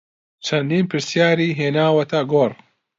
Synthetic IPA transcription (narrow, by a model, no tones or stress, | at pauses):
t͡ʃʰɐnd̪iːnpʰɨɾsjaːɾiːɦeːnaːwɐt̪ʰɐɡoːr